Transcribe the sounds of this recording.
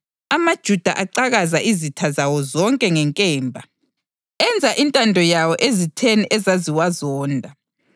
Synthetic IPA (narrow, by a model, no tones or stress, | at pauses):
amad̥ʒ̥ʱud̥ʱa̰ʔaǀaɣazaʔizitʰazawɔzɔŋkʼɛŋɛŋkʼɛːmbʱa | ɛnd͡zʱaʔintʼandʱɔjawɔʔezitʰeniʔɛzaziwazɔːndʱa